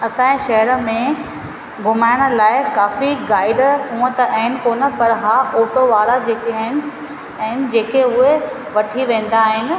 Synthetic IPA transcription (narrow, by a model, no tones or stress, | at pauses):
ɐsãːẽʃɐɦəɾə̆mẽ | ɡʊmaːɪɽ̃ə̆laːɪkaːfiɡaːɪɖɦũːə̃t̪ɐʔɐɦɪnɪ̆koːnə̆pɐɾɦaːoːʈoʋaːɾad͡ʑeːkeɐɦɪnɪ̆ | ɐ̃ɦɪnɪ̆d͡ʑeːkeʊɦe | ʋɐʈʰiʋẽːn̆d̪aːɦɪnɪ̆